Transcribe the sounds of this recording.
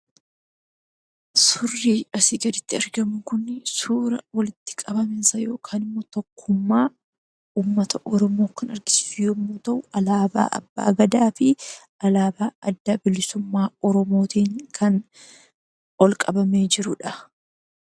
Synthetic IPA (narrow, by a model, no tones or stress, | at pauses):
sʊrːiːɐsɪɡɐd̪ɪt̪ːɪɐɾɡɐmʊŋkʊnːɪsuːɾɐwɐlɪt̪ːɪ̥kʼɐbɐmɪnsɐjo̞ːkʰaːnɪmːot̪ɔkʰːʊmːaː | uːmːɐt̪ʰɐʔɔɾɔmoːkɐnɐɾɡɪsɪ̥fjoːmːoːt̪ɐʔʊʔɐlaːba̰ːʔɐ̰bːa̰ːɡɐd̪aːfɪ | ɐlaːbaːɐd̪ːɐbɪlɪsʊmːaːɔɾɔmo̞ːt̪iːŋkʰɐn | ɔlkʼɐbɐme̞ːd͡ʒɪɾʊᶑɐ